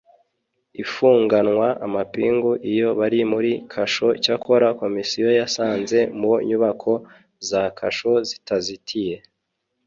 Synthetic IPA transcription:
ifuːŋɡanŋwaʔamapiːŋɡuʔijo̞βaɾimuɾikʰaʃo̞cakʰo̞ɾako̞misijo̞jasaːnze̞muɲuβakʰo̞ | zakʰa̰ʃo̞zitazitʰije̞

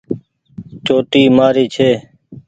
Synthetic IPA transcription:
t͡ʃoːʈiːmaːɾiːt͡ʃʰeː

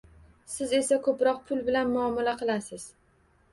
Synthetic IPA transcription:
sɪze̞sakʰɵpɾɒq̚pʰʊlbɪlanmʊɒmalaqʰɨlˠasɪz̥

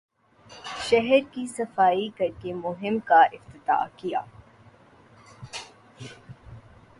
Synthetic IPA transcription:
ʃɐɦəɾkisɐfaːikɐɾkemʊɦɪmkaʔɪft̪ɪt̪a̰ːkija̰ː

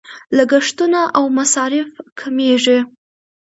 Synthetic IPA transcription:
laɡaʂt̪unaʔawmasɑɾɪfkʰameʐi

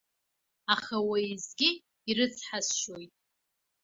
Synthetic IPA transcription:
aχawaizɡʲɪ | iɾɨt͡sʰħazʃojtʼ

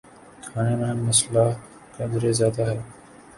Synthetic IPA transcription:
kʰaːneːmẽːməslaː | kə̃d̪ɾeːzjaːd̪aːɦɛː

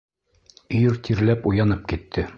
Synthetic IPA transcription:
iɾt̪ʰiɾlæpujɑnɤp̚kit̪ʰːɘ

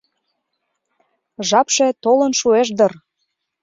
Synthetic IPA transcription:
ʒɑpʃet̪olə̆nʃueʃ̬d̪ɤr

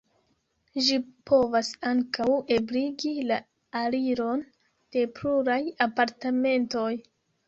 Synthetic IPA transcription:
ʒipʰo̞vasaŋkawe̞bliɡila | aliɾo̞n | d̥e̞pluɾajapaɾtame̞nto̞j

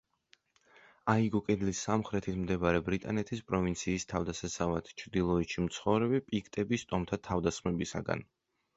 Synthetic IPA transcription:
aiɡɔkʼɛd̪lisamχɾɛt̪ʰismd̪ɛbaɾɛbɾit̪ʼanɛt̪ʰispʼɾɔvint̪sʰiːst̪ʰavd̪asasavat̪ʰt͡ʃʰɾd̪ilˠɔiʃimt̪sʰχɔvɾɛbipʼikʰt̪ʼɛbist̪ʼɔmt̪ʰat̪ʰavd̪asχmɛbisa̰ɡa̰n

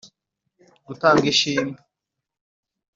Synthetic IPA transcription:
ɡutaːŋɡiʃiːmbu

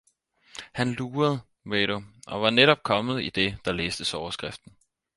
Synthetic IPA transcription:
hænluːɐð̩ˠ | ʋeɾoʔɒ̽ʋɑ̈neɾɒ̽b̥̚kʰɒ̽mð̞̩ˠid̥e̝d̥ɑ̈leːsd̥əsɒʊɐsɡ̥ʁafd̥n̩

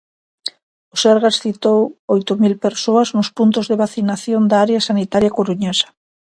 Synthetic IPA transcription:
oseɾɣasθit̪owojt̪omilpeɾsoaznʊspunt̪ʊzðeβaθinaθjond̪aaɾeasanit̪aɾjakoɾuɲesḁ

